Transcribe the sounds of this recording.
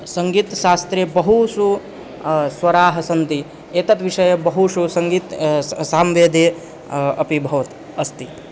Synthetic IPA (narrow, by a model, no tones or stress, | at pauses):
sɐŋɡiːt̪ʃaːst̪ɾebɐɦusu | sʋɐɾaːɦɐsɐnt̪i | eːt̪ɐt̪ʋiʂɐjɐbɐɦuʃusɐŋɡiːt̪saːmʋeːd̪ʱeː | ɐpibʱɐʋɐt̪ | ɐst̪i